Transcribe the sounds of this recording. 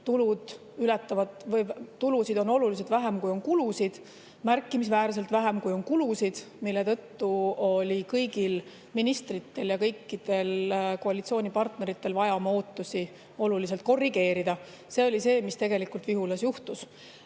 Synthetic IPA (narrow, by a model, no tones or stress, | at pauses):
t̪ulud̪̥ | ylɛt̪ːɑvɑd̪̥vɤjːulusid̪o̞no̞lulis̬e̞d̪væɦemkujo̞nkulusid̪̥ | mærkːˑimis̬væːɾse̞lt̪væɦemkujo̞nkulusid̪̥ | milːe̞t̪ɤ̞t̪ːuo̞lʲikɤjɡ̥il | minist̪rit̪ːe̞ljɑkɤjkːid̪̥e̞lko̞ɑlʲit̪sio̞ːnʲipɑrt̪ne̞ɾit̪ːe̞lvɑjɑmɑo̞ːt̪ːˑusi | o̞lulis̬elt̪̚ko̞rːiɡe̞ːɾid̪̥ɑ | se̞o̞lise̞ːmist̪e̞ɡe̞likˑult̪viɦulɑsjuht̪us